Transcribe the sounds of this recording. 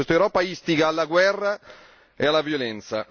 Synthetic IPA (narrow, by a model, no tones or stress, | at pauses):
est̪aewɾɔːpaist̪iɡaːlːaɡwɛrːa | ealːavjolɛnt̪sa̰